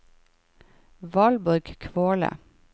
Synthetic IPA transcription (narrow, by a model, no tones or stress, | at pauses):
ʋɑːlbɔɾɡkʰʋoːlə̰